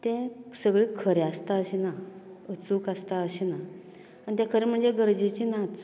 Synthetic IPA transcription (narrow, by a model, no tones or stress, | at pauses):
t̪ẽsəɡɭikʰəɾeast̪aəɕinaət͡suːkast̪aəɕina | aɳit̪jakʰəɾem̤əɳd͡zeɡəɾd͡ʑet͡ɕinãt̪t͡s